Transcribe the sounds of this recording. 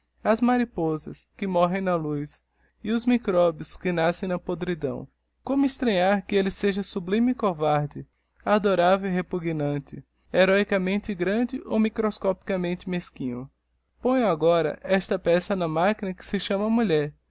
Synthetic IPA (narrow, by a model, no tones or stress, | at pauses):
ɐzmaɾipɔzɐ̰skɪmɔɦẽj̃nɐlujs | ɪʊzmikɾɔbjʊskɪnasẽj̃nɐpod̪ɾid̪ɐ̰̃w̃ | kõmʊist̪ɾɐ̃ɲaɾkɪelɪseʒɐsublĩmɪkovaɾd͡ʒɪ | ad̪oɾavewiɦepuɡnɐ̃t͡ʃɪ | eɾɔjkɐmẽnt̪ɪɡɾɐ̃nd͡ʒɪʔo̰wmikɾoskɔpi̥kɐmẽnt͡ʃ̪ɪmeskĩɲʊ̰ | põj̃aɡɔɾɐ̰ʔɛst̪ɐpɛsɐnɐmakinɐkɪ̥sɪʃɐ̃mɐmuʎɛɾ